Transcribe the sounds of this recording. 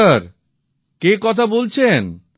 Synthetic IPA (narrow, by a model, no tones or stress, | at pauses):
aɾ | kekɔt̪ʰabolt͡ɕʰen